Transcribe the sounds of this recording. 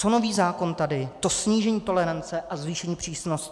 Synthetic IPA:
t͡so̞no̞viːzaːko̞nt̪adɪt̪o̞sɲiːʒɛɲiːt̪o̞lɛɾant͡sɛʔazviːʃɛɲiːpr̥iːsnoscɪ̥

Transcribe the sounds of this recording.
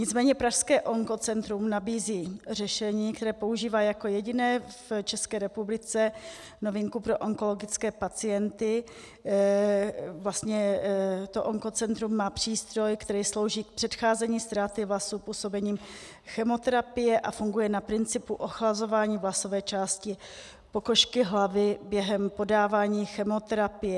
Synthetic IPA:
ɲɪt͡smɛːɲɛpɾaʃskɛːʔo̞ŋko̞t͡sɛnt̪ɾumnabiːziːrɛʃɛɲiːkt̪ɛɾɛːpo̞uʒiːvaːjako̞jɛɟɪnɛːft͡ʃɛskɛːɾɛpublɪt͡sɛ | no̞vɪŋkupɾo̞ʔoŋko̞lo̞ɡɪt͡skɛːpat͡sɪjɛnt̪ɪ | vlast̪ɲɛt̪oʔoŋko̞t͡sɛnt̪ɾumːaːpr̝̥iːst̪ɾo̞jkt̪ɛɾiːslo̞wʒiːk̚pr̥ɛt̪xaːzɛɲiːst̪ɾaːt̪ɪvlasupuːso̞bɛɲiːm | xɛmo̞t̪ɛɾapɪjɛʔafuŋɡujɛnapɾɪnt͡sɪpuʔoxlazo̞vaːɲiːvlaso̞vɛːt͡ʃaːscɪ | po̞koʃkɪɦlavɪbjɛɦɛmpo̞daːvaːɲiːxɛmo̞t̪ɛɾapɪjɛ

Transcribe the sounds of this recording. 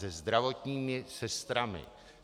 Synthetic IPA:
ɛzd̪ɾavot̪ɲiːmɪsɛst̪ɾamɪ̰

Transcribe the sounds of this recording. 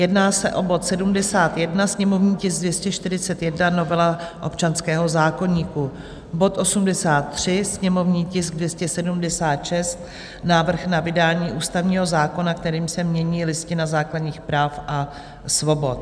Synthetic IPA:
jɛdnaːsɛʔo̞bo̞t̪sɛdumdɛsaːt̪jɛdnasɲɛmo̞vɲiːcɪsɡ̚dvjɛscɛʃt̪ɪɾɪt͡sɛt̪jɛdnano̞vɛlaʔo̞̰pt͡ʃanskɛːɦo̞zaːko̞ɲiːku | bo̞t̪ʔo̞sumdɛsaːt̪ːr̝̥ɪsɲɛmo̞vɲiːcɪsɡ̚dvjɛscɛsɛdumdɛsaːt̪ʃɛst̪ | naːvr̩xnavɪdaːɲiːʔuːst̪avɲiːɦo̞zaːko̞nak̚t̪ɛɾiːmsɛmɲɛɲiːlɪscɪnazaːkladɲiːxpɾaːfʔa | svo̞bo̞t̪̚

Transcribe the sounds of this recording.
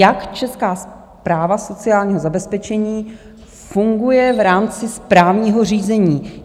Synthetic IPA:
jakt͡ʃɛskaːs | pɾaːvaso̞t͡sɪaːlɲiːɦo̞zabɛspɛt͡ʃɛɲiː | fuŋɡujɛvɾaːmt͡sɪspɾaːvɲiːɦo̞r̝iːzɛɲiː

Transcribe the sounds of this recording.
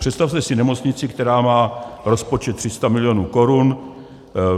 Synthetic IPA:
pr̝̥ɛt̪st̪afst̪ɛsɪnɛmo̞t͡sɲɪt͡sɪkt̪ɛɾaːmaːɾo̞spot͡ʃɛt̪ːr̝̥ɪst̪amɪlɪjonuːko̞ɾun

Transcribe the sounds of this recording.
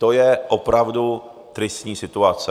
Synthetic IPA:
t̪ojɛʔopɾavdu | t̪ɾɪst̪ɲiːsɪt̪uat͡sɛ

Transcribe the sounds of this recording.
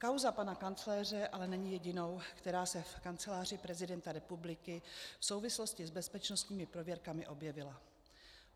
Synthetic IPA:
kawzapanakant͡slɛːr̝ɛʔalɛnɛɲɪjɛɟɪno̞wkt̪ɛɾaːsɛfkant͡sɛlaːr̝ɪpɾɛzɪdɛnt̪aɾɛpublɪkɪfso̞wvɪslo̞scɪzbɛspɛt͡ʃno̞st̪ɲiːmɪpɾovjɛɾkamɪʔo̞bjɛvɪla

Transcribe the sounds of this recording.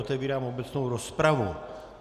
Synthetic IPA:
ot̪ɛviːɾaːmobɛt͡snowɾospɾavu

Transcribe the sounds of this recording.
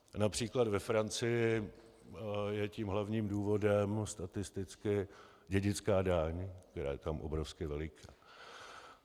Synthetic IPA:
napr̝̥iːklad̪vɛfɾant͡sɪjɪ | jɛciːmɦlavɲiːmduːvo̞dɛmst̪at̪ɪst̪ɪt͡skɪ | ɟɛɟɪt͡skaːdaːɲk̚t̪ɛɾa̰ːjɛt̪amʔo̰bɾofskɪvɛlɪkʰaː

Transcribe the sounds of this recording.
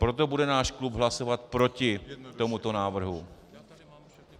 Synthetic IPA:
pɾo̞t̪̬o̞budɛnaːʃklubɦlaso̞vat̪̚pɾo̞cɪt̪o̞mut̪o̞naːvr̩ɦu

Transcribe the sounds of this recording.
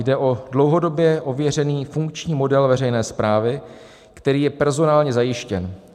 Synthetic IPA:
jdɛʔo̞dlo̞wɦo̞do̞bjɛʔo̞vjɛr̝ɛniːfuŋkt͡ʃɲiːmo̞dɛlvɛrɛjnɛːspɾaːvɪ | kt̪ɛɾiːjɛpɛɾzo̞naːlɲɛzajɪʃcɛn

